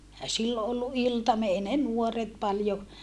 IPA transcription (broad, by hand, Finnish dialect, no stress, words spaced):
ehæ silːo ʔolːu ʔiltɑmie ei ne nuoret pɑljo